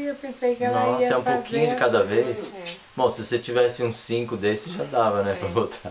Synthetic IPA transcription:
epẽsejkɛ̃ɐ̃seũpokʰĩɲʊd͡ʒɪkad̪ɐvejs | bõw̃sɪoset͡ʃivɛsɪũsĩkʊd̪esɪ̥ʒad̪avɐnɛpɾɐvot̪ʰa

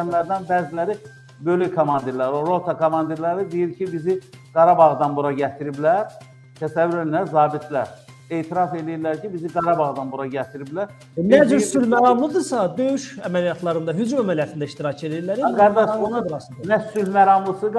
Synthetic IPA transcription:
mlæɾd̪ænbæːzilæɾi | bølykʰomɑnd̪iɾlæɾoɾot̪ʰɑkʰomɑnd̪iɾlæɾid̪ijiɾcʰibizi | ɡ̥ɑɾɑbɑɣd̪ɑnbuɾɑɟæt̪ʰiɾiblæɾ | t̪ʰæsævːyɾelæɾzɑːbit̪ʰlæɾ | eːt̪ʰiɾɑfe̞lijiɾlæɾcʰibiziɡɑɾɑbɑɣd̪ɑnbuɾɑɟæt̪ʰiɾiblæɾ | næd͡ʒyɾsylmæɾɑmlˠɯd̪ɯsɑd̪øjyʃæmælijɑt̪ʰlˠɑɾɯnd̪ɑɦyd͡ʒumæmælijɑt̪ʰind̪æiʃt̪iɾɑcʰe̞lijiɾlæɾiæbæund̪ɾɑsd̪næsylmæɾɑmlˠɯsɯɡ

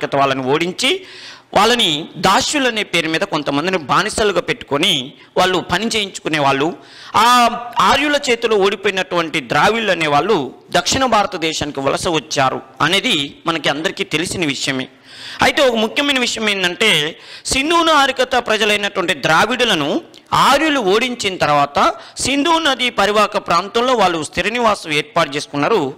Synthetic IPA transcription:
kɐt̪ɐʋaːɭːɐnioːɽiɲt͡ʃiʋʔaːɭːɐnid̪aːʃjulɐne̞ːpe̞ːɾumiːd̪ɐko̞nt̪ɐmɐnd̪inibʱaːnisɐluɡaːpeʈːu̥koni | ʋaːɭːupɐnit͡ʃe̞ːjiɲt͡ʃu̥kune̞ːʋaːɭːu | aːaːɾjulɐt͡ʃe̞ːt̪ulo̞ːoːɽipoːjinɐʈuʋɐɳʈid̪ɾaːʋiɭɐne̞ːʋaːɭːud̪ɐkʂiɳɐbʱaːɾɐt̪ɐd̪ɛːʃaːnikiʋɐ̰lɐsɐʋɐt͡ʃːaːɾṵɐne̞ːd̪imɐnɐkiɐnd̪ɐɾikiːt̪e̞lisinɐʋiʂɐjɐmḛː | ɐjt̪e̞ːɔkɐmukʰjɐmɐjnɐʋiʂɐjɐme̞ːnd̪ɐɳʈe̞ːsind̪uːnɐaːɾikɐt̪ɐpɾɐd͡ʒɐlɐjnɐʈuʋɐɳʈid̪ɾaːʋiɽulɐnu | aːɾjuluoːɽiɲt͡ʃinɐt̪ɐɾʋaːt̪ɐ | sind̪uːnɐd̪ipɐɾiʋaːkɐpɾaːnt̪ɐmlo̞ːʋaːɭːust̪ʰiɾɐniʋaːsɐmeːɾpaːʈ̚t͡ʃe̞ːsu̥kunːaːɾu

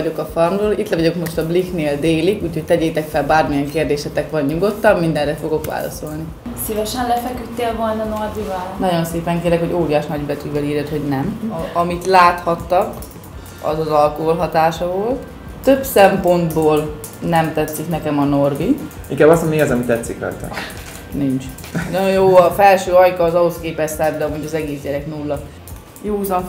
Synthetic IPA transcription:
o̞kɒfɒrmroːlʔit̪lɛvɒɟo̞kmo̞ʃt̪ɒblikneːld̪eːlikuːcho̞c̚t̪ɛɟeːt̪ɛkfɛlbaːrmijɛŋkeːrd̪eːʃɛt̪ɛkʋɒɲɲuɡo̞t̪ːɒmːind̪ɛnrɛfo̞ɡo̞kʋa̰ːlɒ̰so̞lni | sivɛʃɛnlɛfɛkyt̪ːeːlvolnɒnorvivɒlnɒɟo̞nseːpɛŋkeːɾɛkho̞ɟoːɾijaːʃnɒɟbɛt̪yɡvɛliːrjɛt̪ho̞ɟnɛmɒmit̪laːt̪hɒt̪ːɒk | ɒ̰zɒzɒlkoolɦɒt̪aːʃɒvo̞lt̪ː | øbsɛmpo̞nd̪boːl | nɛmt̪ɛt̪siknɛkɛmɒno̞rbi | iŋkaːbɒsomiɒzɒmit̪ːɛt̪siklɒ̰jt̪a̰ | nint͡ʃ | noojjoːɒfɛlʃøːɒjkɒːzɒɦoskeːpɛst̪ɛbd̪ɛmuɟɒzɛɡeːsɟɛɾɛknulːɒ | joːuzɒ

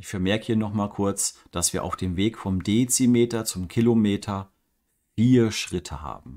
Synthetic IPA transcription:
ʔɪçfɛɐmɛɐkəhiːɐnɔχmaːlkʰʊɐt͡sd̥asv̥iːɐʔaʊfd̥eːmveːkfɔmdet͡simeːtɐt͡sʊmkʰilomeːtʰɐ | fiːɐʃʁ̥ɪtʰəha̰ːbm̩

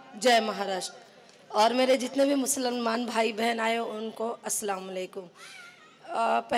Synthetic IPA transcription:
d͡ʒɐːmɐɦaːɾaːʃʈɾ | ɔːɾmeːɾed͡ʒɪt̪nebʱimʊsələlmaːnbʱaːibɛɦənaːjoʊnkoɐsːɐlaːmɐleːkʊm | pɛɦ

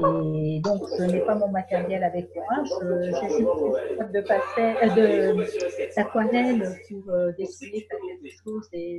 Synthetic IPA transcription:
ed̪ɔ̃ksənɛpamɔ̃mat̪ɛʁjɛlavɛkmwaɛ̃əʒəsibt̪ukt̪ad̪əpasɛd̪ə | lakwanɛlpuʁød̪ekijekɛlkɛlkəʃoze

